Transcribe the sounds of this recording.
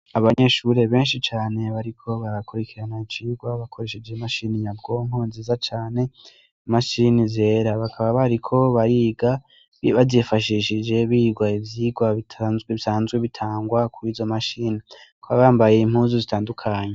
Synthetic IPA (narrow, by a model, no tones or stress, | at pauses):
aβaɲeʃuɾe̞βe̞ːnʃit͡ʃaːne̞βaɾikʰo̞βaɾakuɾekiɾanait͡ʃiɡwaβakʰo̞ɾe̞ʃe̞d͡ʒemaʃinijabɡo̞ŋonzizat͡ʃaːne̞ | maʃinizeːɾaβakʰaβaβaɾikʰo̞βaɾiɡa | βazifaʃiʃid͡ʒe̞βiːɡwaivjiːɡwaβitʰazɡweβisaːnzɡwe̞βitʰaːŋɡwakuiːzo̞maʃiːnikʰoβaβaːmbajeim̥huːzuzitaːndukʰaɲe